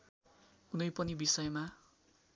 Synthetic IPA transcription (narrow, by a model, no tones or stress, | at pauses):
unʌjpʌnibisʌjma